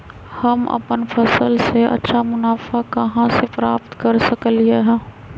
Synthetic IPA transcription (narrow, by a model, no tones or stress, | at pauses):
hɐmɐ̰pənfʰɐsəlseʔɐ̰tːʃʰamʊnaːfakɐɦãsepɾa̰ːpt̪kɐɾsəkəlːieɦɛː